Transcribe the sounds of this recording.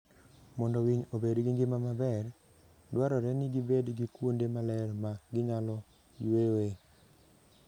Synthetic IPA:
mɔndɔwiɲobedɡiŋɡɪmamabɛr | dwaɾɔɾɛnɪɡibedɡikwondemalɛɾmaɡɪɲalɔ | jwewe

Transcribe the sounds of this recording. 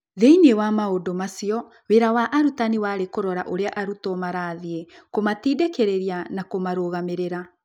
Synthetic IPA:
ðeinewamaodomasiɔ | weɾawaʔaɾutaniwaːɾekoɾɔɾaʔoɾeaʔaɾutɔmaɾaːðiekomatiːdekeɾeɾianakomaɾoɣameɾeɾa

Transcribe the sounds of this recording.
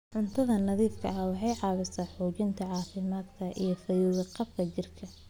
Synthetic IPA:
ʕʊnt̪ʰɐðɐnɐðiːfkʰɐ̰ɐwɑħɑjʕɑːβɪsaːħuːt͡ʃɪnt̪ʰɐʕɑːfɪmaːd̪kʰɐʔijɞfɐjuɣɐqɑbkʰɐt͡ʃɪrkʰɐ

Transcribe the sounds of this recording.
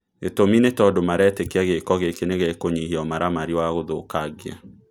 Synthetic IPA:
etominetɔdomaɾɛːtekeaɣekɔɣekeneɣekoɲiɦiɔmaɾamaɾiwaɣoðokaɡea̰

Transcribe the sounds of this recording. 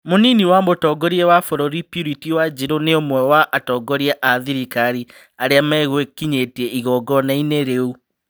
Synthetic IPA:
moniniwamotɔɡɔɾiɛwafɔɾɔɾipiɾitiwad͡ʑiɾoneomwɛwaʔatɔɡɔɾiaʔaðiɾikaɾi | aɾeamɛɣwekiɲetɛiɣɔɡɔnaineɾeu

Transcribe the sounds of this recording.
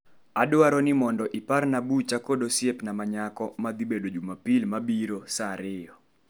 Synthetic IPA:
adwaɾɔnɪmɔndɔʔiparnabut͡ʃakodosjepnamaɲakɔmad̪ibedod͡ʒumapilmabiɾosaɾɪjɔ

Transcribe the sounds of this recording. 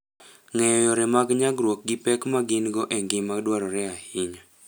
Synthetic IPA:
ŋɛjɔjɔɾɛmaɡɲaɡɾwok̚ɡipɛkmaɡɪnɡɔʔɛŋɡɪmaɡdwaɾɔɾɛahɪɲa

